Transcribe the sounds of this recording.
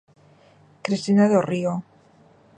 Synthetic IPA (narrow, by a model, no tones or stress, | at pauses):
kɾist̪inaðorio